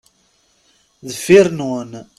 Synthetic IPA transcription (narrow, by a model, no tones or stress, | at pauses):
ðfiɾnun